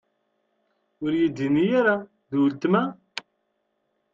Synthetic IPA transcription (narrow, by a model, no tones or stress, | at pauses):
ʊɾjid̪ːinijaɾa | ðwlt̪mæ